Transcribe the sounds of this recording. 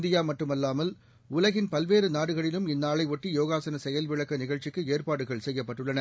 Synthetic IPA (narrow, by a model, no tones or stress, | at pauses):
d̪ɪjaːmɐʈːɯmɐlːaːmɐl | ʊlɐɣɪnpɐlʋeːɾɯnaːɽɯɣɐɭɪlɯmɪnːaːɭɐɪʋɔʈːijoːɣaːsɐnɐsɛjɐlʋɪɭɐkːɐnɪɣɐɭt͡ʃɪkːɯeːrpaːɽɯɣɐɭsɛjːɐpːɐʈːɯɭːɐnɐ